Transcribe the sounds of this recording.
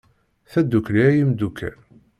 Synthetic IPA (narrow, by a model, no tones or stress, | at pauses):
θæd̪ːukːliæjimd̪ukʰːæ̰l